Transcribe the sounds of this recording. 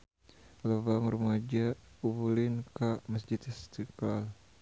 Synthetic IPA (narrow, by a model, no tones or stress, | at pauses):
ləbaŋrumad͡ʒa | uβulinkaməsd͡ʒit̪ist̪iklal